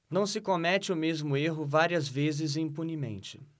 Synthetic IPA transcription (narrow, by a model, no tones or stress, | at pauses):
nɐ̃w̃sɪkomɛt͡ʃɪʊmezmʊeɦʊvaɾiɐzvezɪzĩpunimḛ̃nt͡ʃɪ̥